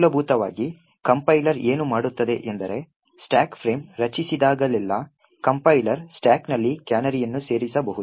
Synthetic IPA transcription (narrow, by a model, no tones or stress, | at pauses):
lɐbʱuːt̪ɐʋa̰ːɡi | kɐmpɐjlɐɾeːnumaːɽut̪ːɐd̪e̞ʔend̪ɐɾe̞ | sʈaːkpʰɾe̞ːmɾɐt͡ʃisid̪aːɡɐlilːɐ | kɐmpɐjlɐɾsʈaːknɐlːikaːnɐɾijɐnːuse̞ːɾisɐbɐɦud̪u